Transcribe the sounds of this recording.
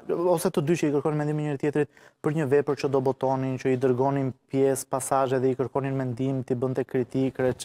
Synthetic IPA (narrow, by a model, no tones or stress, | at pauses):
ɔsɛt̪əd̪yt͡ʃəikəɾkɔnimɛnd̪iminɲəɾit̪jɛt̪ɾit̪̚pəɾɲəvɛpəɾt͡ʃəd̪ɔbɔt̪ɔnint͡ʃəid̪əɾɡɔninpjɛspasaʒɛðɛikəɾkɔninmɛnd̪imt̪ibənt̪ɛkɾit̪ikɾɛ